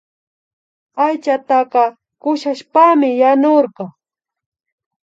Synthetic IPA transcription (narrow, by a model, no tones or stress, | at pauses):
ajt͡ʃat̪ɑqɑ | kʊʃaʃpamɪjanoɾɢɑ